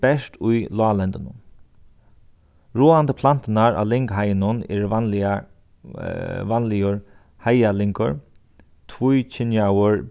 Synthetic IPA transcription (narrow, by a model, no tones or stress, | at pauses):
bɛʂt̪ujlaːlɛnt̪ənʊ̰n | ɹuːand̪əpʰlan̥t̪ənaɹa̰lɪŋkɦajənʊnɛ̰ɹ | vanlɪjʊɹ | hajalɪŋkʊɹ | t̪ʰvujt͡ʃʰɪnjawəɹ